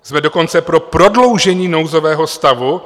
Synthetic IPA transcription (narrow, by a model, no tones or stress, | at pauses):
z̥mɛdo̞ko̞nt͡sɛpɾo̞pɾo̞dlo̞wʒɛɲiːno̞wzo̞vɛːɦost̪avu